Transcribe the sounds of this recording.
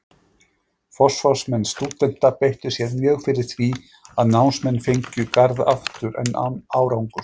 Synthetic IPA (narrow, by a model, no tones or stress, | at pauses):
fɔ̥sfɔsmɛnst̪uːt̪ɛn̥t̪apejht̪ʏsjɛɾmjœːɣfɪɾɪɾ̥θvi | aðnawnsmɛnːfejɲcʏkaɾða̰ft̪ʏɾʔɛ̰nːaaːwɾawŋkʏ